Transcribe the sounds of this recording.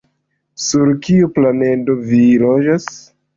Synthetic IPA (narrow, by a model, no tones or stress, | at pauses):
suɾkiuplane̞do̞vilod͡ʒas